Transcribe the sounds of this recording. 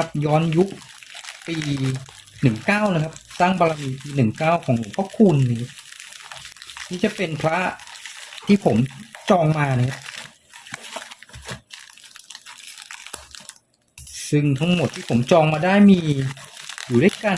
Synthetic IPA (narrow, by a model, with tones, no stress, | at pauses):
a˦˥p̚jɔː˦˥nju˦˥k̚ | piː˧ | nɯ˨˩ŋkaː˥˩wna˦˥kʰa˦˥p̚saː˥˩ŋba˧ɾa˧miː˧piː˧nɯ˨˩ŋkaː˥˩wkʰɔː˩˦ŋlu˨˩˦ŋpʰa˦˥kʰuː˧nːa˧˥kʰa˦˥p̚ | nʰiː˥˩t͡ɕa˨˩pe˧npʰɾa˦˥ | t̪ʰiː˥˩pʰo˩˦mt͡ɕɔː˧ŋmaː˧na˧˥kʰa˦˥p̚ | sɯ˥˩ŋt̪ʰa˦˥ŋmo˨˩t̪ʰːiː˥˩pʰo˩˦mt͡ɕɔː˧ŋmaː˧daː˥˩jmiː˧ | juː˨˩du˥˩ka˧